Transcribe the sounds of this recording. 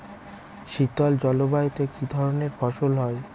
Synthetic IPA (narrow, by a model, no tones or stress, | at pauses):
ʃit̪ɔld͡ʑɔlobait̪ekid̪ʱɔɾoneɾfʰɔʃolɦɔe